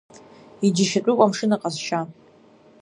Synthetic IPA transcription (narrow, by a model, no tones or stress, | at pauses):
id͡ʒɪʃatʼʊkʷʼamʂɨnaqʼazʃa